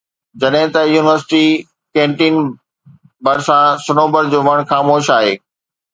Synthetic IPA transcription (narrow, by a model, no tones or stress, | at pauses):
d͡ʑɐɗɦɪ̃t̪ɐjuːnɪʋəɾsɪ̥ʈi | kẽːɳʈiːn | bɐɾsãsʊnoːbəɾd͡ʑoːʋɐɽ̃xaːmoːʃaːɦeː